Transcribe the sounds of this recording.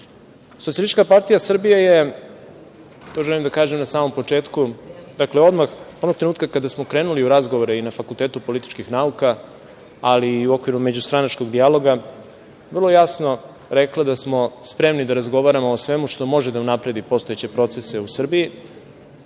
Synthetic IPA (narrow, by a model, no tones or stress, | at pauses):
sot̪iliit͡ʃkapaɾt̪ijasr̩bijaje̞ | t̪o̞ʒɛlimd̪akaːʒemnasaːmo̞mpo̞t͡ʂe̞ːt̪kud̪akleo̞d̪maxod̪ok̚t̪ɾenuːt̪kakad̪asmo̞kɾe̞ːnuliuɾazɡoʋo̞ɾeinafakulˠt̪e̞ːt̪upo̞lit̪i̥t͡ʃkixnauka | aliːuo̞kʋiɾume̞d͡ʑust̪ɾanat͡ʃko̞ɡd̪ijalo̞ɡa | ʋr̩lˠojasno̞ | ɾeklˠad̪asmo̞spɾe̞mnid̪aɾazɡo̞ʋaɾamo̞ːsʋe̞muʂt̪o̞mo̞ʒed̪aunapɾe̞d̪ipo̞st̪oet͡ɕe̞pɾo̞t̪se̞seusr̩biji